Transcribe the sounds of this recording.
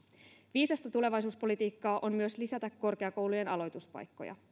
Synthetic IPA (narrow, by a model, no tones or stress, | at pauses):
ʋiːsɑst̪æt̪ule̞ʋɑjs̬uːspo̞lit̪iːkːɑːʔo̞mmyø̞slisæt̪ækːo̞rke̞ɑko̞wluje̞nɑlo̞jt̪uspɑ̰jkːo̰jɑ̰